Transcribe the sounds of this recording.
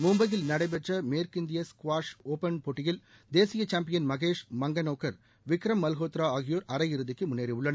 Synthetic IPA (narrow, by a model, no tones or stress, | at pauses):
mʊmbɐɣɪlnɐɽɐɪp̬ɛʈrɐmeːɾkɪnd̪ɪjɐskʋaːʂoːpɐnpoʈːɪjɪl | d̪eːsɪjɐt͡ʃaːmpɪjɐnmɐɣeːʂmɐŋɡɐnoːkːɐɾ | ʋɪkːɾɐmːɐlɣoːt̪ɾaːaːɣɪjoːɾʔɐɾɐjɪɾɯðɪkːɯmʊnːeːɾiʊɭːɐnɐ